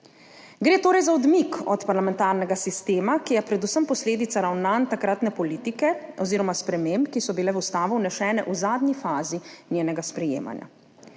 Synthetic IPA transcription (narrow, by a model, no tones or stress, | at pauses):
ɡɾeːt̪oːɾɛjzaɔd̪mikɔ̰t̪paɾlamɛnt̪aːɾnɛɡasist̪eːmakijɛpɾɛd̪usəmpɔsleːd̪it̪saɾawnant̪akɾat̪nɛpɔliːt̪ikɛɔziːɾɔmaspɾɛmembkisɔbilɛʋust̪aːʋuwnɛʃɛːnɛ̰ʔuzaːd̪ɲifaːzinjeːnɛɡaspɾɛjḛːma̰nja̰